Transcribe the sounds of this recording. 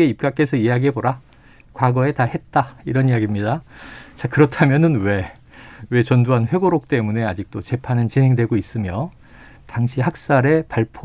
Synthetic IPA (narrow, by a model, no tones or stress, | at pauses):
eip̚k͈ak͈e̞sʰʌiaɡiɦe̞boɾa | kwaɡʌe̞tahe̞t̚t͈aiɾʌnijaɡimɲidat͡ɕakɯɾʌtʰamjʌnɯnwe̞ | we̞t͡ɕʌndoɦanɸwe̞ɡoɾok̚t͈e̞mune̞ad͡ʑik̚t͈ot͡ɕe̞pʰanɯnt͡ɕinɦe̞ŋdwe̞ɡois͈ɯmjʌ | taŋɕʰihak̚s͈aɾe̞paɭpʰ